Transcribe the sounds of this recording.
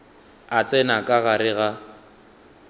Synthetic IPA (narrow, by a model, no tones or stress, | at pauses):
at͡sʼɛnakʼaɣaɾɪɣa